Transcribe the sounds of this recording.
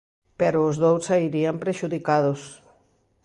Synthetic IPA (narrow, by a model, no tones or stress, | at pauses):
pɛɾʊːzðowsaiɾiampɾeʃuðikaðʊs